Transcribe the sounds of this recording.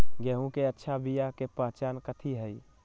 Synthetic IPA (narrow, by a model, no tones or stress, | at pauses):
ɡɛɦũkeətːʃʰabijakepaːt͡ʃaːnkət̪ʰiɦəi